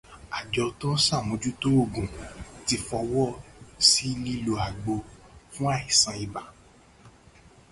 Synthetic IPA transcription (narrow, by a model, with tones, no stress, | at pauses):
a˨d͡ʒɔ˧tõ˦n̩˦sa˦˨wũ˨˦d͡ʒu˦to˦o˦˨ɡũ˨ti˧fɔ˧wɔ˦si˦li˦lo˧a˨ɡ͡bo˧fũ˦a˦˨i˨sã˧i˨ba˨